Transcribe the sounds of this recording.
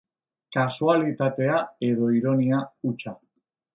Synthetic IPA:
kasualit̪at̪e̞ae̞ðo̞iɾo̞niaut͡ʃa

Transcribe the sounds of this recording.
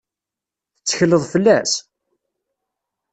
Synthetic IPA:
θət͡sːə̥çələðˤfəlːæs

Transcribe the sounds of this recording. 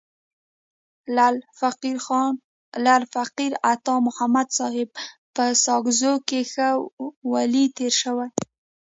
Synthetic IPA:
n | lalfaqiɾat̪ɑmʊhamad̪sɑhɪb̚pəsɑɡzokexəwalit̪eɾʃəwaj

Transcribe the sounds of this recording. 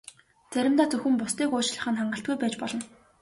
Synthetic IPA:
t͡sʰæɾʲɪ̆mt̪aːt͡sɵxɘ̆mpʊst̪iːkoːt͡ɕɮə̆χə̆nχaɴɢə̆ɬt̪ɡujpæːt͡ɕpɔɮɞ̆n

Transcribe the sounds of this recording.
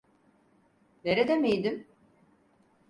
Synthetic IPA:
neɾɛd̪emejd̪ɪm

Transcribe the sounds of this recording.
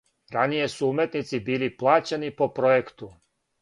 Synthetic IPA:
ɾanije̞suumjet̪nit̪sibiːliplˠaːt͡ɕenipo̞pɾojekt̪u

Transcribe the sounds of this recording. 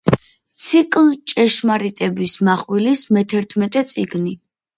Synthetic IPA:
tt̪sʰikʼlt͡ʃʼɛʃmaɾit̪ʼɛbismaχwilismɛt̪ʰɛɾt̪ʰmɛt̪ʼɛt̪sʼiɡni

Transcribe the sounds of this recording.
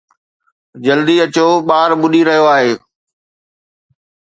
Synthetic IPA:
d͡ʑɐld̪iɐt͡ɕoɓaːɾɓʊɗiɾɐɦijoaːɦeː

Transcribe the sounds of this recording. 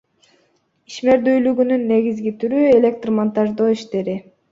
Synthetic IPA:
iʃme̞ɾd̪yjlyɡynynːe̞ɡizɡit̪ʰyɾye̞lʲe̞k̚t̪rmont̪ɑʒd̪oːiʃt̪e̞ɾi

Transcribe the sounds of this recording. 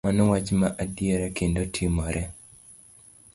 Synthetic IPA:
manɔwat͡ʃmaʔadjeɾɛkendotʰimɔɾʔɛ

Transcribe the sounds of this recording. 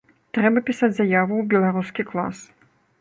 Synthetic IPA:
t̪ɾɛbɐpʲisat͡sʲzajavuwbʲɛlˠaɾuskʲiklˠa̰s

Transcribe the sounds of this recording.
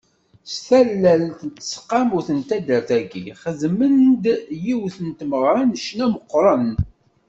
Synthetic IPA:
st̪ælːælnt̪ənt̪ːə̥sqːɑmʊɾθənt̪æd̪əɾθæɡiχəzmənd̪jiwθənt̪məʁɾˤɑnəʃnæməqːɾˤən

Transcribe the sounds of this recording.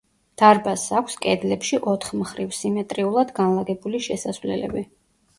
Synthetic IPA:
d̪̥aɾbasakʷʰskʼɛd̪lɛpʃiʔɔt̪ʰχmχɾivsimɛt̪ʼɾiulˠad̪ɡanlˠaɡɛbuliʃɛsasvlɛ̰lɛ̰bi

